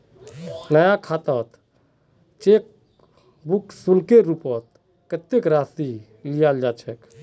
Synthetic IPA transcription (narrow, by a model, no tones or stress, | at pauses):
nəjakʰat̪ət̪ | t͡ʃek̚ | buksulkeɾupət̪̚ | kət̪ːekɾast̪i | lijald͡ʒat͡ʃʰɛk